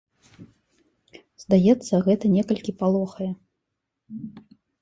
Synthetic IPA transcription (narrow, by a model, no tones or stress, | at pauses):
zd̪ajɛt̪sːɐɣɛt̪ɐnʲɛkɐlʲkʲipalˠɔxɐjɛ